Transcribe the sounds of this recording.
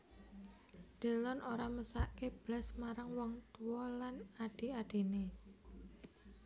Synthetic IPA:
d̪̥e̤lɔnʔoɾaməsaʔkeb̥lasmaɾaŋwɔŋt̪uwɔlanaɖ̥i̤aɖ̥i̤ne

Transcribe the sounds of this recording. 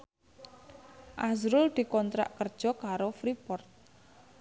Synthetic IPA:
ʔazɾʊld̪̥i̤kɔnt̪ɾa̰ʔkərd̥ʒ̥ɔ̤kaɾofɾipɔrt̪̚

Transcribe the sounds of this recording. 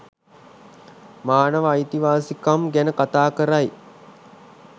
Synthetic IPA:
maːnəʋəajt̪iʋaːsikamɡænəkat̪aːkəɾaj

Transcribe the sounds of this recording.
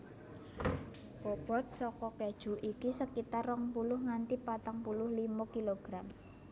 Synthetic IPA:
b̥ɔb̥ɔ̤t̪̚sɔkɔkad̥ʒ̥ṳʔikisəkit̪arːɔŋpulʊhŋant̪ipat̪aŋpulʊhlimɔkiloɡ̥ɾam

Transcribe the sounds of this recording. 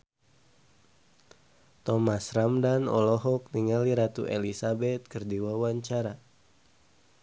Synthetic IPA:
t̪ɔmasramdanɔ̰lɔɦɔk̚niŋaliɾat̪ṵʔɛlisabɛt̪̚kərdiwawaɲt͡ʃaɾa

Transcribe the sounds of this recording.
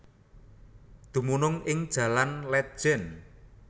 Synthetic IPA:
d̪̥ṳmunʊŋɪŋd̥ʒ̥ä̤lanlɛt̪̚ʒ̥ɛn

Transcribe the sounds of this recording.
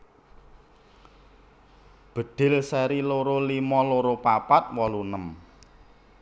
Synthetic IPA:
b̥ə̤ɖ̪̥ɪ̤lsɛɾiloɾolimɔloɾopapat̪̚wɔlunəm

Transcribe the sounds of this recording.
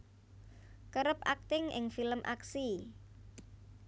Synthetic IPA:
kəɾəp̚ak̚t̪ɪŋɪ̰ŋfiləmʔa̰ksi

